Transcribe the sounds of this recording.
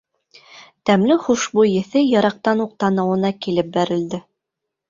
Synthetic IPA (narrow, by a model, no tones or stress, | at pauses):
t̪æmlɘχuʃbujɘ̆θɘjɑɾɑq̚t̪ɑnuq̚t̪ɑnɤ̆wɤ̆nɑkilɘp̚bæɾɘ̆ld̪ɘ